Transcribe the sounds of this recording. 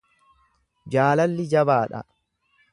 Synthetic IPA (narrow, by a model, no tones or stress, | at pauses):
d͡ʒaːlɐlːɪd͡ʒɐbaːᶑɐ̰